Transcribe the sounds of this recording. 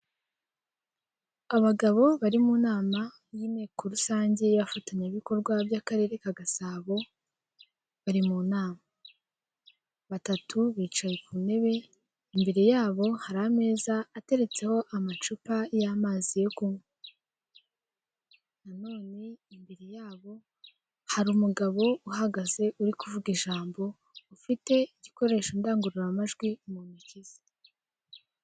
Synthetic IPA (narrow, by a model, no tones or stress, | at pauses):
aβaɡaβo̞βaɾimuːnaːma | jiːneːkuɾusaːɲɟe̞jβafataɲeβiko̞ɾɡwabjaːkaɾe̞ːɾe̞kaɡasaːβo̞ | βaɾimuːnaːma | βatatʰuβiːt͡ʃajekʰuːne̞βe̞ | imbe̞ɾe̞jaːβo̞haɾame̞ːzaːte̞ɾe̞t͡se̞ho̞ʔamat͡ʃupajamaːzijokumo | nano̞ːne̞imbeɾejaːβo̞ | haɾumuɡaβo̞uhaɡaze̞ʔuɾikuvuɡiʒaːmbo̞ | ufite̞iɟiko̞ɾe̞ːʃondaːŋɡuɾiɾamaʒɡwimumiciz̥i̥